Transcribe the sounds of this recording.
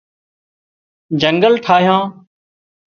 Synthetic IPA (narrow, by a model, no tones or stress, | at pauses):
d͡ʒəŋɡəlʈʰaːɦjãː